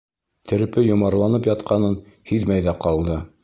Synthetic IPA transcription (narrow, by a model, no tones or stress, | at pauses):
t̪ʰɘ̆ɾɘ̆pɘjŏmɑɾlˠɑnɤpjɑt̪qɑnɤn | hiðmæjðæqɑlˠd̪ɤ